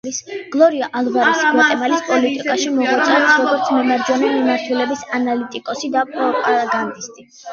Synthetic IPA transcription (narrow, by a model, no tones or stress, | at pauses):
isɡ̥lˠɔɾiaʔalˠvaɾisɛt̪ʼɛmalispʼɔlit̪ʼikʼaʃimɔɡat̪sʰasɾɔɡɔɾt̪sʰmɛmaɾd͡ʒɔnɛmimaɾt̪ʰulɛbisanalit̪ʼikʼɔsid̪apʼɔpʼaɾaɡand̪ist̪ʼi